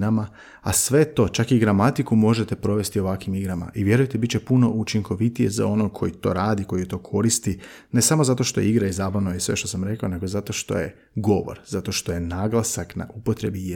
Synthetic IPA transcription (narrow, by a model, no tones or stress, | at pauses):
nama | asʋe̞t̪o̞ːt͡ʃakiɡɾamat̪ikumo̞ʒe̞t̪e̞pɾo̞ʋe̞st̪io̞ʋakʋimiɡɾama̰ʔiʋje̞ɾujt̪ebit̪t͡ʃe̞puno̞ʔut͡ʃiŋko̞ʋit̪ije̞za̰o̞nokʰo̞jit̪o̞̰ɾaːd̪iko̞jt̪o̞ːkʰo̞ɾist̪i | ne̞samo̞zat̪o̞ʃt̪o̞jeiɡɾaizaːbaʋnojisʋeʃt̪osamɾe̞kaone̞ɡozat̪o̞ʃt̪o̞̰jḛ | ɡo̞ʋo̰ɾz̥at̪o̞ʃt̪o̞je̞naːɡlˠasakna̰ʔupot̪ɾe̞bi